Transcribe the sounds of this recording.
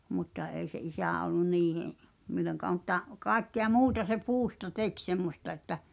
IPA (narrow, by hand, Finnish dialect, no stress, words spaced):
mutːɑ eˑi se isæˑ olːun niːheʔ milˑoŋkɑː mŭtːɑ kɑˑekːeɑ muːtɑ se puːstɑ tek semːostɑ etːæ